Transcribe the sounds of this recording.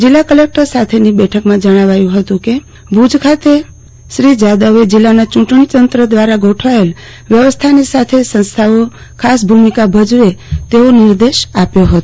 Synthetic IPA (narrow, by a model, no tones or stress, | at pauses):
d͡ʒilːakəlek̚ʈəɾsat̪ʰenibɛʈʰəkmãd͡ʒəɽ̃aʋajũɦət̪ũke | bʱud͡ʒkʰat̪e | ʃɾid͡ʒad̪əʋed͡ʒɪlːanat͡ʃũʈɳit̪ənt̪ɾəd̪ʋaɾaɡoʈʰael | ʋjəʋəst̪ʰanisat̪ʰesə̃nst̪ʰaʋo | kʰasbʱumikabʱəd͡ʒʋet̪eonɪɾd̪eʃapjoɦət̪o